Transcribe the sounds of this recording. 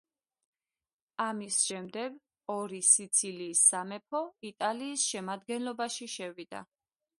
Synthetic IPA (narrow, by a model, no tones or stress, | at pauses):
amisʃɛmd̪ɛɡ | ɔɾisit̪sʰiliːsːamɛpʰɔit̪ʼaliːsʃɛmad̪ɡɛnlɔbaʃiʃɛvid̪̥a̰